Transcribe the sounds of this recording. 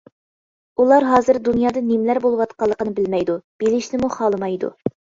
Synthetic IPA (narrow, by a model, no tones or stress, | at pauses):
ulˠɑɾɦɑːzɨɾd̪unjɑːd̪ɑnimlæɾbolˠwɑt̪qɑlˠːəqənɨbɪlmɛjd̪ub̥elɪʃnɪmuχɑːlˠɨmɑjd̪ṵ